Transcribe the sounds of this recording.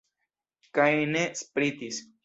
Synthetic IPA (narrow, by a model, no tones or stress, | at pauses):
kajnespɾit̪is